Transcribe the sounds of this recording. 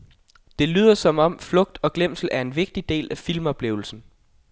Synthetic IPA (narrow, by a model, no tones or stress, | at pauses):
d̥e̝ly̰ːð̰ˠɐsɒ̽mɒ̽m̰flɔ̽ɡ̥d̥ɒ̽ɡ̥lem̰sl̩æɐe̝nʋe̝ɡ̥̚d̥id̥e̝̰ːlæfilmɒ̽b̥le̝ʊl̩sn̩